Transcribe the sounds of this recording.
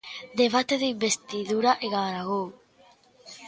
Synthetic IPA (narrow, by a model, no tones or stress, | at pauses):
d̪eβ̞at̪eðeimbest̪iðuɾaʔeɣaɾaɣow